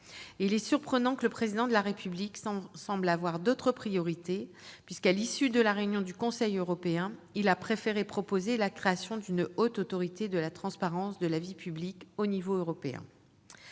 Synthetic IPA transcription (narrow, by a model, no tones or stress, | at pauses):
ilɛsyʁpχənɑ̃kələpχezid̪ɑ̃d̪əlaʁepʰybliksɑ̃blavwaʁd̪ot̪χəpχijɔʁit̪e | pɥiskalisyd̪əlaʁeynjɔ̃d̪ykɔ̃sɛjøʁɔpeɛ̃ilapχefeʁepχɔpozelakχeasjɔ̃d̪ynot̪ot̪ɔʁit̪ed̪əlat̪χɑ̃spaʁɑ̃sd̪əlavipyblikonivoøʁɔpeɛ̰̃